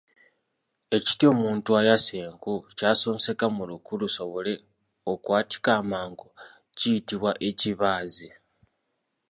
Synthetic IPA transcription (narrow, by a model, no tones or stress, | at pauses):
e̞ci̥tio̞ːmuːntuajaseːŋkucaːso̞ːnse̞kamulukuluso̞βo̞le̞ | okwaːti̥kaːmaːŋɡo | cijitiβwaʔe̞ciβaːze